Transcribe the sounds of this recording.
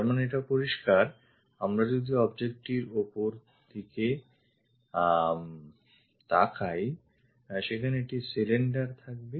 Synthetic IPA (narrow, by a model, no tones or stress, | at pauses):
t̪aɾmaneeʈapoɾiʃkaɾ | amɾad͡ʑod̪ʱiɔbd͡ʑek̚ʈiɾopoɾ | t̪ʰike | t̪akʰaj | ʃekʰaneeʈisileɳɖaɾt̪ʰak̚be